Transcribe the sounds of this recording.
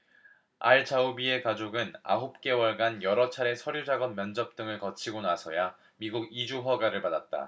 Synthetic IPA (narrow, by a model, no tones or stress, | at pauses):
a̰ɭt͡ɕaubie̞kad͡ʑoɡɯna̰ɦup̚k͈e̞wʌɭɡanjʌɾʌt͡ɕʰaɾe̞sʰʌɾjud͡ʑaɡʌnmjʌnd͡ʑʌp̚t͈ɯŋɯɭkʌt͡ɕʰiɡonasʰʌja | miɡuɡid͡ʑuɸaɡaɾɯɭpadat̚t͈a̰